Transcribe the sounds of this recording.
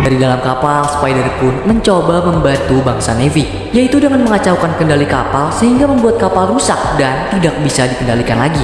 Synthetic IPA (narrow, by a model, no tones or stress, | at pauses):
daɾidalamkapalsə̥pajdɛrpʊnməɲt͡ʃobaməmbant̪ubaŋsanefi | jait̪udəŋanməŋat͡ʃawkankəndalikapalsəɦiŋɡaməmbuat̪̚kapalrusak̚dant̪idak̚bisadikəndalikanlaɡi